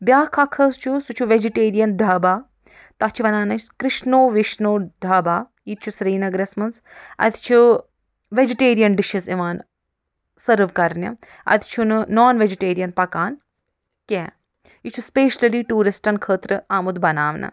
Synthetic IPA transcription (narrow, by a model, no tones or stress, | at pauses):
bjaːkʰɐkʰɐzt͡ʃʰusut͡ʃʰuʋed͡ʒiʈeːɾijɐnɖ̪ʱɐːbaː | t̪ɐt͡ʃʰuʋɐnaːnɐkɾɪʃnoːʋiʃnoːɖʱɐːbaː | jit̪̚t͡ʃʰusɾiːnɐɡɾesmɐnsɐ̰t̪t͡ʃʰu | ʋed͡ʒiʈeːɾijɐnɖiʃisiʋaːn | sɐɾʋkɐɾnʲjɐ̰ | ɐ̰t̪ʰt͡ʃʰunnoːnʋed͡ʒiʈeːɾijɐnpɐkaːn | kʲɛː | jit͡ʃʰuspeːʃlɐliʈuːɾisʈɐnkʰəːt̪ɾɨaːmud̪bɐnaːʋnɐ̰